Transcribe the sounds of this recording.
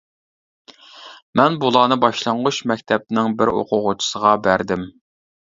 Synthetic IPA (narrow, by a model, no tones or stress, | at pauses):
mɛnbulˠɑːnɨbɑʃlˠɑɴʁʊʃmɛkʲt̪ʰɛp̚nɪŋbɪɾo̰qʰʊʁʊt͡ʃʰi̥səʁɑbæɾd̪ɪm